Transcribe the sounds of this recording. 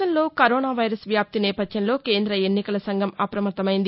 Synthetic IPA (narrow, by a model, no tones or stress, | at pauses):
ɐnlo̞ːkɐɾoːnaːʋɐjɾɐsʋjaːp̚t̪inɛːpɐd̪jɐnlo̞ːke̞ːnd̪ɾɐenːikɐlɐsɐŋɡʱɐmɐpɾɐmɐɾt̪ːɐmɐjind̪i